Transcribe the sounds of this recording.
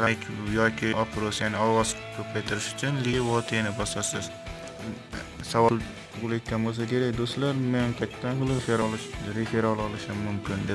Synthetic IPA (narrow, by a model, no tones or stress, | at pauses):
lajkʲʰjɒkʲʰɪʔɒpʰɾosjanɪɒwɒzkʲʰɵpʰajt̪ʰɪɾɪʃʊ̥t͡ʃʰʊnliwɒt̪ʰenɪbɒsasɪz̥ | savɒlˠʰ | ʊʁʊlˠejt̪̚ʲkʲanbolˠsakʲʰe̞ɾak̚ʲd̪ost̪laɾmenɪmqʰɑjt̪ʰːanqɨlˠɪfeɾɒlʃɾefeɾɒlˠɒlˠɪʃɪmʊmkʲɪnd̪e